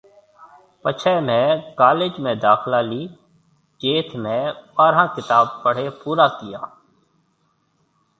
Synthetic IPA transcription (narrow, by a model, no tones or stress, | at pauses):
pət͡ʃʰɛːmẽːkaːleːd͡ʒmẽːd̪aːxlaːliː | d͡ʒeːt̪ʰmẽːbaːɾãːkɪt̪aːb̚pəɽ̤eːpuːɾaːkɪjaː